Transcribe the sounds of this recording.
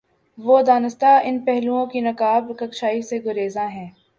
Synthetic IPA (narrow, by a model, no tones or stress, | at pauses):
ʋoːd̪aːnɪst̪aɪnpɛɦlũõkinɐkaːbkɐkʃaːiseɡʊɾeːzãɦɛ̃ː